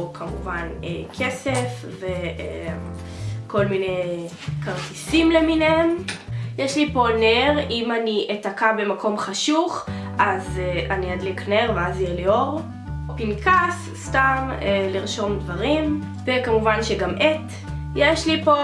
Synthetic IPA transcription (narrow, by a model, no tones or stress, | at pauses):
okʰamuvanekʰesefvee | ko̞lmine | kaʁtisimleminemjeʃlipo̞neʁimaniʔetakabe̞makʰo̞mχaʃuχʔazeaniad̪likneʁveaziʁlioʁ | pinkas | stameliʁʃo̞md̪vaʁim | vekamuvanʃeɡamʔet̪ | jeʃlipo̞